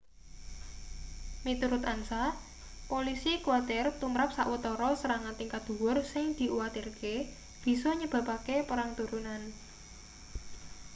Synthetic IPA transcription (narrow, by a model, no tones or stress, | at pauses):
mit̪uɾʊt̪ansa | polisikuat̪ɪrt̪umɾap̚saʔwət̪ɔɾɔsəɾaŋat̪ɪŋkad̪̥ṳwʊrsɪŋd̪̥i̤ʔuwat̪irke | b̥i̤sɔɲəb̥ä̤pakepəɾaŋt̪uɾunan